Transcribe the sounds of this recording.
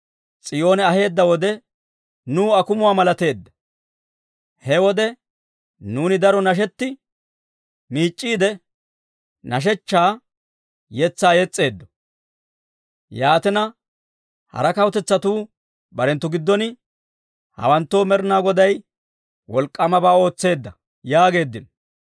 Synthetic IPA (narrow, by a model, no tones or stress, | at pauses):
t͡sʼɪjo̞ːnɛɐhe̞ːd̪ːɐwɔd̪ɛ | nuːɐkʊmʊwaːmɐlɐt̪e̞ːd̪ːɐ̥ | hɛwɔd̪ɛ | nuːnɪd̪ɐɾɔnɐʃ̬ɛt̪ːɪ | miːt͡ʃʼːiːd̪ɛ | nɐʃ̬ɛt͡ʃːaː | jɛt͡sːaːjɛt͡sʼːe̞ːd̪ːɔ̥ | jaːt̪ɪnɐ | hɐ̰ɾɐkɐwt̪ɛt͡sːɐt̪uː | bɐɾɛnt̪ːʊɡɪd̪ːɔnɪ | hɐ̰wɐnt̪ːo̞ːmɛɾnaːɡɔd̪ɐj | wɔlkʼːɐmɐbaːo̞ːt͡sːe̞ːd̪ːɐ | jaːɡe̞ːd̪ːɪnɔ